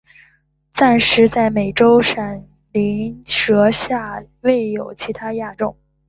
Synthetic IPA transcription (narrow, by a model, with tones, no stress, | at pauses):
t͡sa˥˩nʂɻ̩˧˥t͡sa˥˩ɪme˨˩ɪʈ͡ʂo˥ʊʂa˨˩n | li˧˥nʈ͡ʂɤ˧˥ɕja˥˧ | we˥˩ɪjo˨˩ʊt͡ɕʰi˧˥t̪ʰa˥ja˥˧ʈ͡ʂo˥˩ŋ